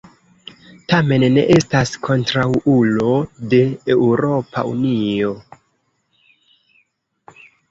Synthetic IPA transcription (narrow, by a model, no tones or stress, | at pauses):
tame̞nːe̞̰ʔe̞staskʰo̞ntɾawulo̞de̞ːwɾo̞pa̰ṵnio̞